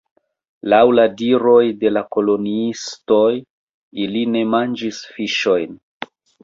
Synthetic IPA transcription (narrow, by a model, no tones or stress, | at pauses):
lawladiɾo̞jde̞lako̞lo̞niisto̞j | iline̞mand͡ʒisfiʃo̞jn